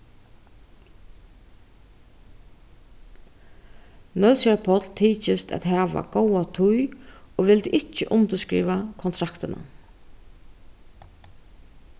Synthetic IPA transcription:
nœðsjaɹpʰɔt̪lt̪ʰiːt͡ʃɪst̪æ̰t̪ɦɛːʋa̰ɡowat̪ʰʊjɔɣʋɪlt̪ʔɪt͡ʃːɪʔʊnt̪əskɾḭːʋakʰɔnt̪ʰɾakt̪ɪna̰

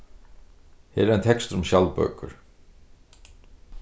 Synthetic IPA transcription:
hɛ̰ɾɛɾɛnt̪ʰɛkst̪ɾʏmsjalpœ̰ːkʏ̰ɾ̥

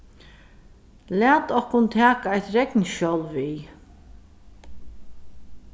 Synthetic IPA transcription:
læːt̪ɔhkʊnt̪ʰɛːkaaht̪ɾɛknʃɔlviː

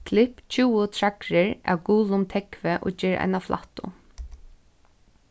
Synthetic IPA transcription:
kʰlɪpt͡ʃʰuːʊt̪ʰɹakɹɪɹæ̰ːwɡuːlʊmt̪ʰɛkvɛʔɔ̰ːd͡ʒɛːɹʔa̰naflʔa̰ht̪ʊ̰

